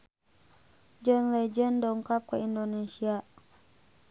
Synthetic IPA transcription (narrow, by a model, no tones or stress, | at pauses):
d͡ʒənlɛd͡ʒəndɔŋkap̚kuindonesia